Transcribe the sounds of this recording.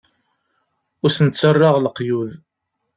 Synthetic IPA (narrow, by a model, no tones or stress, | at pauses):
ʊɾsənt̪t͡sːərˤːɑʁləqːjuð